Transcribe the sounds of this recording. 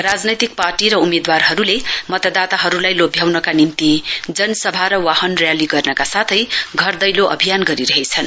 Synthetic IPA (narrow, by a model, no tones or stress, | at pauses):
rad͡znʌjt̪ik̚parʈiɾʌumed̪warɦʌɾulemʌt̪ad̪at̪aɦʌɾulajlobʱjawnʌkanimt̪id͡zʌnsʌbʱaɾʌwahʌnrjaliɡʌrnʌkasat̪ʰʌjɡʱʌrd̪ʌjloʔʌ̰bʱijanɡʌɾiɾʌɦet͡sʰʌn